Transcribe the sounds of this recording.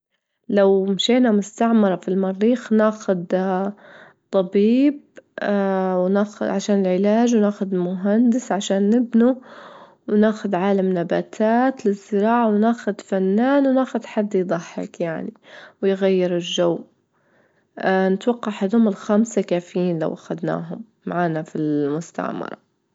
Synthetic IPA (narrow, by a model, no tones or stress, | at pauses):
lawmʃeːnamʊst̪aʕmɑɾˤɑfilmɑɾːiːxnaːxʊd̪ | t̪ˤːɑbiːb̚ | wnaːxʊʕaʃaːnɪlʕɪlaːʒwnaːxʊd̪mʊɦand̪ɪsʕaʃaːnːɪbnu | wnaːxʊd̪ʕaːlamnabaːt̪ʰaːt̪lɪzːɪɾɑːʕawnaːxʊd̪fanːaːnwnaːxʊd̪ħad̪ːjd̪ˤɑħːɪ̰kjaʕniwɪjɣajːɪɾɪlʒawː | nɪt̪wɑqːɑʕhad̪hʊmɪlxamsakaːfɪjiːnla̰wʔaxad̪na̰ːɦʊmːa̰ʕaːnafilmʊst̪a̰ʕmɑ̰ɾˤɑ̰